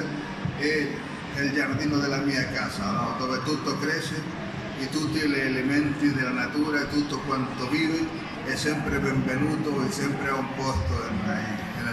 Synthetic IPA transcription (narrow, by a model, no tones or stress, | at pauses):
ɛ | eld͡ʒaɾd̪inoðelamiakasanod̪ovet̪ut̪ːokɾɛse | it̪ut̪ileːlemẽnt̪iðelanat̪uɾaet̪ut̪ːokwant̪oviːvɪ | ɛsɛmpɾebeɱbenut̪oisɛmpɾeaumpɔst̪oea | e